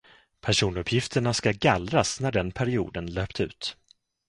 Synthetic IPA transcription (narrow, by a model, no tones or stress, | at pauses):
pʰæʂuːnɵpʰːjɪft̪ʰəɳaskaɡalɾasnæɖɛnpʰæɾɪṵːd̪ənløːpt̪ʉ̟̰ːt̪